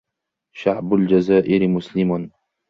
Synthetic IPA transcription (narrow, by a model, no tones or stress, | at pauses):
ʃaʕbʊld͡ʒazaːʔɪɾmʊslɪmʊn